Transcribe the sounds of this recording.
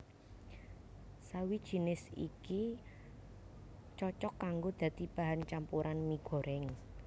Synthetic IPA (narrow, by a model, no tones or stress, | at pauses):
sawid̥ʒ̥i̤nɪsḭki | t͡ʃɔt͡ʃɔkːaŋɡod̪̥ä̤t̪ib̥a̤ɦant͡ʃampuɾʔanmiɡ̥ɔ̤ɾɛŋ